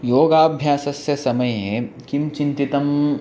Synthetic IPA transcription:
joːɡaːbʱjaːsɐsjɐsɐmɐje | kimt͡ʃɪnt̪it̪ɐm

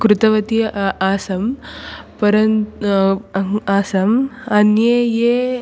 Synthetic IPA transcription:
kɾut̪ɐʋɐt̪iaːsɐmpɐɾɐn | aːsɐmɐnjeje

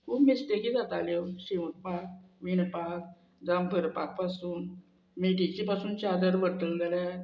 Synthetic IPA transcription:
kʰubmisʈekiːd͡zat̪alewɕiʋut̪̚pak̚ʋiɳpak̚ | d͡zambʱəɾpak̚pasuːn | meʈit͡ɕipasuːnt͡ɕad̪əɾʋəɽʈ̪əld͡zəle

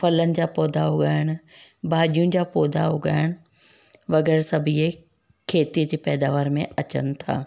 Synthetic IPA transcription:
fɐlənɪ̆d͡ʑaːpɔːd̪ʱaɦʊɡaːɪɽ̃ʊbʱaːʄijũd͡ʑaːpɔːd̪ʱaʊɠaːɪɽ̃ʊ | ʋɐɣɛːɾsɐbʱie | kʰeːt̪iəd͡ʑeːpɛːd̪aːʋaːɾmẽɐt͡ɕə̰nɪ̆t̪ʰa̰ː

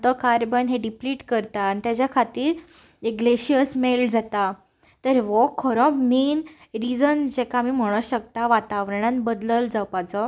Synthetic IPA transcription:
t̪ɔkaɾbənɦeɖipliːʈkəɾt̪aːnit̪jat͡ɕjakʰat̪iːɾeɡleɕiəsmeld͡zat̪a | t̪əɾʋɔkʰɔɾɔ̃min | ɾid͡zənd͡ʑekamim̤əɽ̃əɕək̚t̪aʋat̪aʋɾəɳ̃ãnbəd̪ləld͡zapat͡sɔ

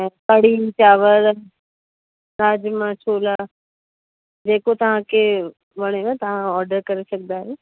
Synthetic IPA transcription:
ɛ̃ːpɐɽ̤it͡ɕaːʋəɾ | naːd͡ʑmãt͡ʃʰoːla | d͡ʑeːkot̪ɐʋ̤ãkʰe | ʋɐɽ̃eʋãt̪ɐʋ̤ãɔːɾɖəɾkɐɾesɐɡnd̪aːɦeː

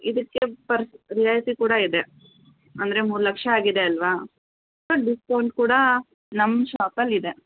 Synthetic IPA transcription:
id̪ɐkːepɐɾsɾijaːjsikuːɽɐid̪e̞ | ɐnd̪ɐɾe̞muːɾulɐkʂɐaːɡid̪e̞ɐlʋa | bɐɖiskɐwɳʈkuːɽɐ | nɐmːʃaːpɐlːid̪e̞

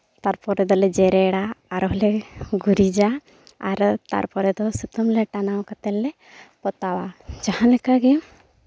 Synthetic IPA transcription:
t̪aɾpɔɾɛd̪ɔlɛd͡ʒɛɾɛɽaːɾɦlɛɡuɾid͡ʒaː | ɾt̪a̰ɾpɔɾɛd̪ɔsut̪ɔmlɛʈanawkat̪ɛlːɛ | pɔt̪awad͡ʒahanlɛkaɡɛ

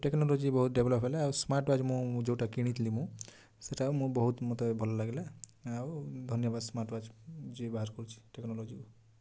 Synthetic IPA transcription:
ʈeknɔlɔd͡ʒibɔɦut̪̚ɖebʱlɔpʰɦelaːwsmaɾʈwad͡ʒmũd͡ʒewʈakiɽ̃it̪ʰlimũ | seʈamũbɔɦut̪mɔt̪ebʱɔlɔlaɡelaː | wd̪ʱɔnjɔbad̪smaɾʈwad͡ʒd͡ʒibaɦaɾkɔɾut͡ʃʰi̥ʈeknɔlɔd͡ʒiu

